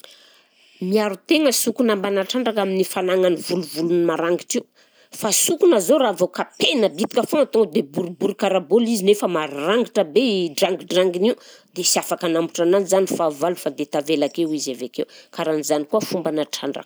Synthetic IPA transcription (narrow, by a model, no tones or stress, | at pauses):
miaɾut̪eŋəsukunambanaʈ͡ʂaɳɖ͡ʐakaminifanaŋanivuluvulunimaɾaŋɡiʈ͡ʂiw | fasukunazoɾavokapenəbit̪i̥kʲafoŋat̪od̪ebuɾubuɾukaɾabolizinefəmaɾaŋɡiʈ͡ʂəbeɖ͡ʐaŋɡiɖ͡ʐaŋɡiniwd̪esiafakanambuʈ͡ʂananizanifavalufad̪et̪avelakewizavekewkaɾanizanikuəfumbanaʈ͡ʂa̰ɳɖ͡ʐa̰k